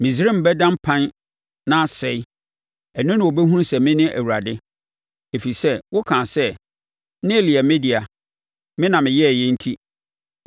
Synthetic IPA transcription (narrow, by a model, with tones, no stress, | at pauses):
mĩ˨s̬i˨˦ɾɪ̃˦m̩˨bɛ˦dã˦m̩˦pʰã˦n | nã˦sɛ˨ɪ˦ | ɛ˨nʊ̃˦nʊ̃˨wo˨bɛ˦ɦũ˦n˦sɛ˨mɪ̃˦nɪ̃˦ʔæ̰˨wu˨ɾa˨dɪ˦ | e˨fi˨sɛ˦wʊ˦kʰãː˨sɛ˦ | nɪ̃˦˨li˨ɛ˨mẽ˦di˨a˨ | mɪ̃˦nã˨mɪ̃˨jɛ˦˨jɛ˦n̩˦tʰi˦